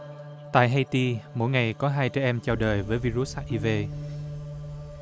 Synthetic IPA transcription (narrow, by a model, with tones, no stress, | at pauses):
t̪a̰ː˧˨jɦa˧jt̪i˧mo̰˧˥jŋa˨˩jkɔ˨˦ɦaː˧jt͡ɕɛ˧˦ʔɛ˧mt͡ɕa˧˩wɗəː˨˩jvəː˨˦jvi˧zu˦˥t̚haː˧˥ʔi˧ve˧